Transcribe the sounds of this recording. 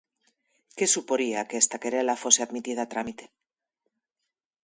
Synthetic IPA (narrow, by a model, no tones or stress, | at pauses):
ke̞supo̞ɾiakeːst̪akeɾelafo̞se̞aðmit̪ið̞at̪ɾamit̪e̥